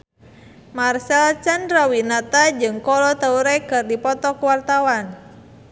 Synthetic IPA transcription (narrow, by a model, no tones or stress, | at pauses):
marsalt͡ʃanrawinat̪ad͡ʒɨŋkɔlɔt̪əuɾɛkɨrdipɔt̪ɔkuwart̪awan